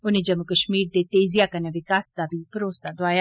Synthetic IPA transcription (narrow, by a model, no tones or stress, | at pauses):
ʊnẽd͡ʒəmukəʃmiːɾd̪et̪eːzɪjakɐneʋɪkaːsd̪abʱipəɾoːsaɖoaːja